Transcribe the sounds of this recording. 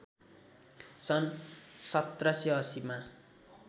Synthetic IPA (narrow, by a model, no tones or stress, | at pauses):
sʌnsʌt̪rʌsjʌʌsima